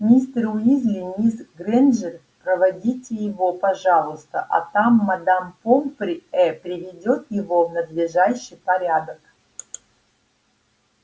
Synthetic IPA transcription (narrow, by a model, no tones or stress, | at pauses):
nʲist̪ɾʊizlʲɪnʲisɡɾɛnʐər | pɾəvɐdʲitʲɪjɪvopɐʐalˠʊst̪ə̰ʔɐ̰t̪amːɐd̪ampompɾʲɛpɾʲɪvʲɪdʲo̞t̪jɪvovnəd̪lʲɪʐaɕːɨjpɐɾʲad̪ək